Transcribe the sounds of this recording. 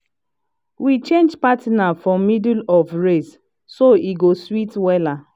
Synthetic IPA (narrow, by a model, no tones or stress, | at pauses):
wit͡ʃẽnd͡ʒpatinafɔmidulɔvɹes | soʔiɡoswitwɛla